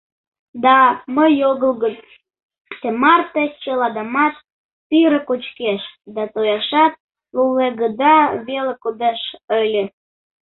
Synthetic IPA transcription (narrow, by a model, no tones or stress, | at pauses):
d̪ɑməjoɣəlɣət͡s | t̪emɑrt̪et͡ɕəlɑd̪əmɑt̪ː | iɾəkot͡ɕkeʃd̪ɑt̪ojɑʃɑt̪̚ | luleɣəd̪ɑβelekod̪eʃəlʲe